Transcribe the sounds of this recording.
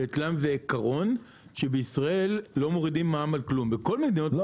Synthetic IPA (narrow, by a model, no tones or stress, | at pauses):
et͡slamveːkaʁo̞n | ʃe̞beisʁae̞lːo̞mo̞ʁidimːaːmalklumbeko̞lmed̪ino